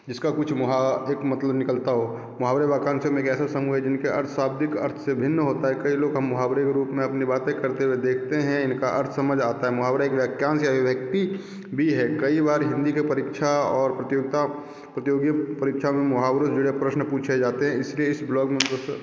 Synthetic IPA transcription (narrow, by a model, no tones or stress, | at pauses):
d͡ʒɪskakʊt͡ʃʰmʊɦaeːkmɐt̪ləbnɪkəlt̪aɦoː | mʊɦaːwɾebaːkãːnsjomẽeːkɛːsasɐmuɦɛd͡ʒɪnkeʔɐ̰ɾt̪ʰsaːb̚d̪ɪkɐ̰ɾt̪ʰsebʱɪnːɦoːt̪aɦɛkɐiloːɡɦɐmːʊɦaːbɾekeɾuːpmẽɐpnibaːt̪ẽkɐɾt̪ewed̪eːkʰt̪eɦɛ̃ɪnkaʔɐ̰ɾt̪ʰsɐməd͡ʒʱaːt̪aɦɛmʊɦaːbɾaeːkʋjaːkjaːnsjaʋɪʋjək̚t̪i | bʱiɦɛkɐibaːɾɦɪ̃nd̪ikepɐɾikʃʰaɔːɾpɾət̪joːɡ̚t̪a | pɾət̪joːɡjəpəɾikʃʰamẽmʊɦaːbɾod͡ʒʊɽepɾəʃnpuːt͡ʃʰed͡ʒaːt̪eɦɛ̃ɪslieɪsblɔːkmẽəs